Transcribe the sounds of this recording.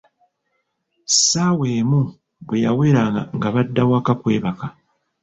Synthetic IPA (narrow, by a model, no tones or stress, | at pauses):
saweːmu | βwejawe̞ːɾaaŋɡaβadːawakakwe̞ːβaka